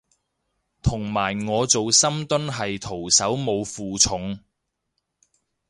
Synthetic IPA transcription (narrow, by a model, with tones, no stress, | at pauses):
t̪ʰʊ˨˩ŋmaː˨˩jŋɔː˨˧t͡so˨wsɐ˥mt̪ɵ˥nɦɐ˨jt̪ʰo˨˩wsɐ˨˥wmo˨˧wfuː˨t͡sʰʊ˨˥ŋ